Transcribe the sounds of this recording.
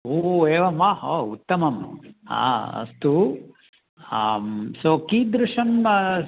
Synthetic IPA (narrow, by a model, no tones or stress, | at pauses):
oːeːʋɐmahout̪ːɐmɐm̰a̰ɐ̰st̪u | amsoːkiːd̪ɾuʂɐn